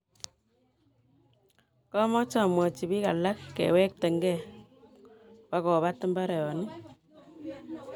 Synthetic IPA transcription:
kɔ˦mɔ˦t͡ʃɔ˨mwɔ˨t͡ʃi˨bi˦ka˨la˦kːɛ̰˨wɛ˦k̚tɛ˨ŋɡɛ˦˨ | pa˨kɔ˨βa˦tɨ˦mba˦ɾɛ˨jɔ˨ni˦

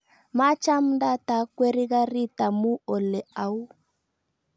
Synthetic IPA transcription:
ma˦t͡ʃa˦m˦da˦ta˨˦kwɛ˦ɾi˦ɣa˦ɾi˦ta˨mu˦ɔ˨lɛ˨a˨u˦

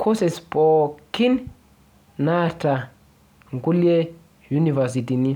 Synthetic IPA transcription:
kʰosespɔki˦n | na˦ta˨ | ŋɡu˦lie˦ | junivɛs̬i˨ti˨ni˦

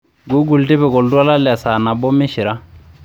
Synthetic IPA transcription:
ɡu˦ɡu˨ltɪ˦bɛ˨kɔ˨ltwa˦la˦la˨sa˨na˨bɔ˦mɪ˦ʃi˨ɾa˦

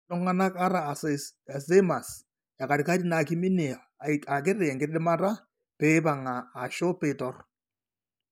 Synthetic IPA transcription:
nʊ˦ŋa˦na˦ka˦ɾa˨se˦ma˨s | ja˨ka˨ɾɪ˨ka˦ɾi˦na˨kɪ˦mɪ˦nɛ˨ | a˨k̬ɪ˦ɾɪ˨ŋɡɪ˦ɗɪ˦ma˦ta˦ | pɛː˦ba˨ŋaː˨ʃɔ˦pe˦˨tɔ˦r

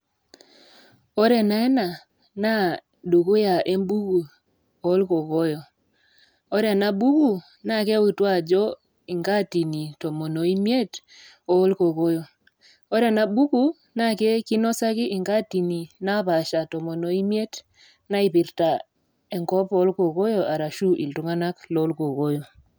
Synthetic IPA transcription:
o˦ɾɛ˨na˦ɛ˦na˨ | na˦ | du˨ku˦ja˨ʔe˦mbu˦ku˨ | o˨˦lko˨ko˦jɔ˨ | o˦ɾɛ˨na˨bu˦ku˨ | na˦˨ke˦u˦˨twa˦˨d͡ʒɔ˦ | i˨ŋɡa˦˨ti˨ni˨tɔ˨mɔ˨no˨i˦mje˦t | o˦lko˨ko˦jo˨ | o˦ɾa˨na˦bu˦ku˦ | na˦˨ke˦ki˦nɔ˦sa˦kɪ˦ʔɪ˨ŋɡa˦ti˨ni˨na˦pa˨ʃa˨tɔ˨mɔ˨no˨i˦mje˦t | na˦i˦pi˨ɾta˨ | e˨ŋkɔ˦po˦lko˨ko˦jɔ˨ʔa˨ɾa˨ʃu˦ʔi˨ltu˦ŋa˦na˦klo˦lko˨ko˦jo˨

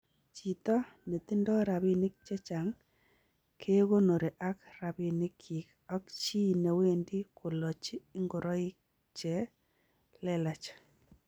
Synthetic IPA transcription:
t͡ʃi˨tɔ˦ne˨t̪i˦ndɔ˦ɾa˨βi˦ni˦k̚t͡ʃɛ˦t͡ʃa˨ŋ | kʰe˦ɣo˦no˨ɾe˨ʔa˦kra˨bi˨nɪ˦kʰːi˨k | a˦kt͡ʃi˦˨ne˨we˦ndi˦ko˨lɔ˨t͡ʃiː˦ŋɡo˨ɾʔɔ˦i˦k̚ | t͡ʃɛ˨˦ | lɛ˦la˨t͡ʃ

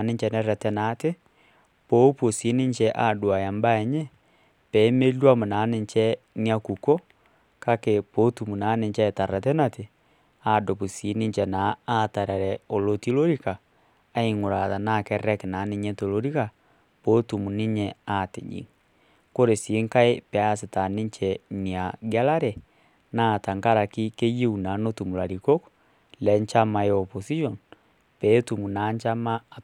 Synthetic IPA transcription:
ne˦ɲd͡ʒɛ˨nɛ˦ɾɛ˨tɛ˦na˨˦te˦ | po˦po˨si˨˦ni˦ɲt͡ʃɛ˦ʔa˦˨dwa˨ja˨mba˦ɛ˨ɲɛ˦ | pɛ˨˦me˦lwa˦mo˨na˨˦ne˨ɲt͡ʃɛ˦ | ni˦a˦ku˨ko˦ | ka˦ke˨po˦tu˨mu˨na˨˦ne˨ɲt͡ʃɛ˦˨ta˨ɾa˨tɛ˦na˦te˨ | a˦˨do˨pu˨si˨˦ni˦ɲt͡ʃɛ˨naː˨˦˨ta˨ɾɛ˨ɾɛ˨o˨lo˨ti˦lo˦ɾi˦kaː˨˦ | i˦ŋo˨ɾa˨ða˨na˦kɛ˦ɾɛ˦kna˨˦ni˦ɲɛ˦to˨lo˦ɾi˦ka˨ | po˦tu˨mu˨ni˦ɲɛa˦tḛ˨ɲḭ˨ŋ | ko˦ɾe˨se˦ŋka˦e˦pɛ˨˦a˦se˨ta˨ni˦ɲt͡ʃɛni˨a˨ɡa˦la˦ɾɛ˨ | na˦˨ta˨ŋɡa˦ɾa˨ki˦ke˦ji˦u˨na˨˦no˦tu˨mu˨la˨ɾi˨ko˦k | lɛ˨˦ɲt͡ʃa˦ma˨eɔpo˨si˦ʃɔ˨n | pɛ˦tu˨mu˨na˨˦ɲt͡ʃa˦ma˦˨

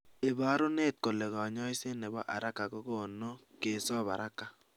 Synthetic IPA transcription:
e˨ba˨˦ɾʊ˦ne˦˨t̪̚ko˨le˨ɣɔ˨ɲɔ˦i˦se˦nɛ˨bɔ̰˦ʔa˨ɾa˦ka˨ko˦ɡo˦˨no˦ke˨sɔ˦˨ba̰˨ɾa˦ka˨

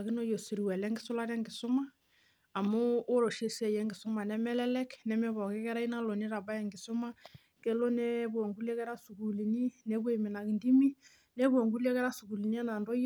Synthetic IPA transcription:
a˨ki˦no˦jo˨si˨ɾi˨wɛ˨lɛ˦ŋɡɪ˦so˦la˦ɾɛ˦ŋɡi˨so˦maː˦˨ | moː˦ɾo˨ʃe˦se˦˨jɛ˦ŋɡi˨so˦ma˨nɛ˦mɛ˦lɛ˦lɛ˦knɛ˦mɛ˦βɔ˨kɛ˦kɛ˦ɾa˦i˦na˦lo˨ni˦ɾa˨ba˦jɛ˨ŋɡɪ˨so˦ma˦ | ke˨˦lo˦nɛ˦βwo˨ŋɡu˦le˦kɛ˦ɾa˦su˨ku˨li˨ni˦nɛ˨˦βe˦˨me˨na˨ki˨ndi˦mi˦ | nɛ˦βwo˨ŋɡu˦le˦kɛ˦ɾa˦su˨ku˨li˨ni˦ɛ˦na˨ndo˦j

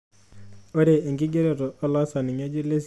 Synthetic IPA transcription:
o˦ɾeː˨ŋɡɪ˦ɡe˦ɾe˦˨ɾɔː˨˦lɔ˦sa˨nɪ˨ɲa˦d͡ʒi˦le˦s

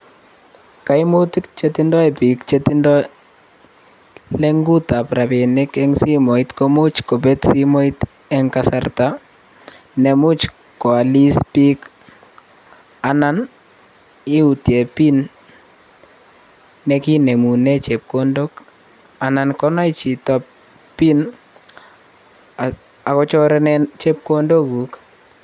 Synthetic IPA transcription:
ka˨imu˦ti˦kt͡ʃeti˦ndɔ˦ɛ˨pi˨kt͡ʃetindɔ˦ | le˦ŋɡu˦ta˨pɾa˨pi˨nɪ˦kɛŋsi˦mo˨itko˦mu˦t͡ʃko˨pɛ˦tsi˦mɔ˦it̪ | ɛ˦ŋkasarta˦ | nɛ˨mu˦t͡ʃ | kɔ˨a˨li˦spi˦k | a˨na˦n | i˦u˨tje˨pi˦n | ɛ˦ki˦ne˨mu˨nɛ˦t͡ʃe˨p̚kondo˦k | a˨na˨nkɔ˦na˦i˦t͡ʃi˨tɔ˦p | pi˦n | a | a˨kɔ˦t͡ʃɔ˦ɾɛ˦nɛt͡ʃe˦p̚ko˦ndo˦ɡu˨k

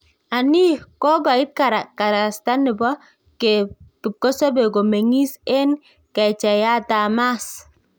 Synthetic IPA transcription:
a˨ni˦kɔ˦ɡa˨ɪ˦t̚ka˨ɾa˨ka˨ɾa˨sta˦nɪ˨bɔ˦ | ke˨kɪ˨p̚kɔ˦sɔ˦be˨ɡo˨me˨ŋi˦se˦n | kɛ˨t͡ʃɛ˨ja˦ta˨ma˦s

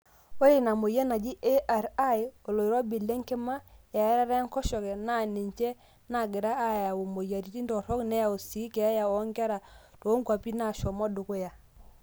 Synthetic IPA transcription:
o˦ɾe˦˨na˨mo˨jɛ˦na˨d͡ʒi˦ʔe˦ʔa˨ɾa˦jo˨lo˨i˨ɾɔ˦bi˨lːe˦ŋke˦ma˦ja˨ɛ˦ɾa˦ɾɛ˦ŋkɔ˦ʃɔ˨kɛ˨na˦˨ni˨ɲt͡ʃɛ˦ | na˨ɡɪ˨ɾa˦a˦ja˨wo˨mo˨ja˨ti˨˦ti˦ntɔ˨ɾɔ˦knɛ˦ja˨o˨si˨˦kɛ˨a˦ja˨ɔ˦ŋɡa˦ɾa˨ | tɔ˨˦ŋɡa˨pi˦na˨ʃɔ˨mɔ˦dʊ˨ko˦ja˨

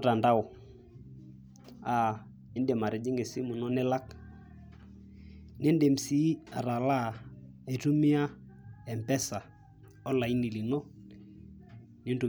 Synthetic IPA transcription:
ta˨nda˦ʊ˨ | a˦˨ | e˦nde˨ma˨ɾɪ˨d͡ʒɪ˦ŋɡe˨si˦mu˨nɔ˦nɪ˦la˦k | ne˦nde˨m̩˨si˦a̰˨ɾa˨la˦˨ | e˨tu˦mɪ˦a˦ | ɛ˨mpɛ˦sa˨ | ɔ˦la˨i˦ni˨li˨nɔ˦ | nɪ˦ntu˨

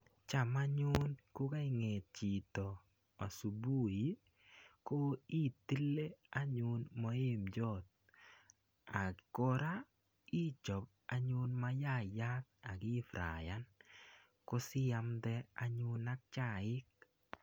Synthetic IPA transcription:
t͡ʃa˨ma˦ɲʊ˦nkʊ˦ka˦ɪ˦ŋe˨t̚t͡ʃi˨t̪ɔ˨ | a˨su˨bu˦ji˦ | ko˦i˦t̪i˦lːe˦a˦ɲʊ˦nmɔ˦e˦md͡ʒɔ˦˨t̪̚ | a˨ko˦ɾa˦ | i˦t͡ʃɔ˨b̚ | a˨ɲʊ˦nma˦ja˦˨ja˦k̚a˨ɡɪ˦fɾa̰˨ja˦n | ko˦sɪ˦ja˦md̪ɛ˦a˦ɲʊ˦na˦k̚t͡ʃa˦˨ɪ˦k̚

